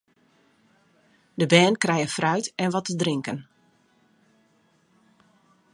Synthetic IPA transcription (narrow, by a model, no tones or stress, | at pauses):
dəbɛːnkrɛjəfrœɥtɛnʋɔtədrɪŋkən